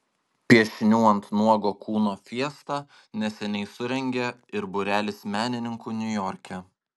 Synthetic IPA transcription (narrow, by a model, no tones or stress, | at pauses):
pʲiɛʃʲnʲuːɛnt̪nuɔɡoːkʰuːnoːfʲiɛst̪ɑ | nʲɛsʲɛnʲɛɪsʊɾʲɛŋʲɡʲɛɪɾbʊɾʲæːlʲɪsmʲæːnʲɪnʲɪŋkunʲʊjɔɾʲkʲɛ